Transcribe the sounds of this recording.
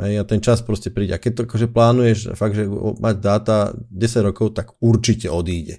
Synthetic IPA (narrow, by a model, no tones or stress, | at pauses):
ɦɛjat̪ɛnt͡ʃaspɾɔscɛpɾiːɟɛakɛt̚t̪ɔakɔʒɛplaːnujɛʃfaɡ̪̚ʒɛ̰maɟd̪aːt̪aɟɛsaɟɾɔkɔʊt̪aɡuɾt͡ʃicɛɔd̪iːɟɛ̰